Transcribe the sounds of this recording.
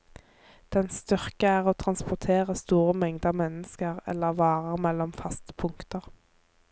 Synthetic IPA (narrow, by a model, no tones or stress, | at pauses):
d̪̥ɛnst̪ʏʁkəæːʁoːt̪ʰʁɑnspʊʁt̪ʰeːʁəst̪uːʁəmɛŋd̪ɑːmɛnəskəʁɛ̰lːəʁʋɑːʁəʁmɛlːɔmfɑst̪ə̥pʰʊŋkt̪əʁ